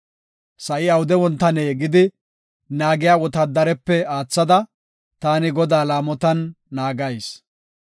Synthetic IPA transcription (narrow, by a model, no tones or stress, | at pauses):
sɐʔɪɐwʊd̪ɛwɔnt̪ːɐneːɡɪd̪ɪ | naːɡɪjaːwɔt̪ɐd̪ɐɾɛpːɛaːt͡sːɐd̪ɐ | t̪aːnɪɡɔd̪aːlaːmɔt̪ɐnː | aːɡɐjs